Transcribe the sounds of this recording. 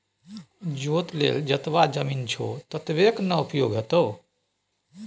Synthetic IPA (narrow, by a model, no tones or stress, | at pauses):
d͡ʒot̪lḛld͡ʒət̪ʋad͡ʒəmint͡ʃʰo̰t̪ət̪ʋeknəupjoɡʱɦət̪əw